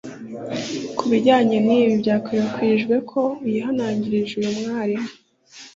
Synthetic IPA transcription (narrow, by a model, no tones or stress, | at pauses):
kʰuβiɟaːɲe̞niːβivɟaːkʰojakwiɾʒɡwe̞kʰo̞ujiɦanaːɲɟiɾiʒujumŋaːɾi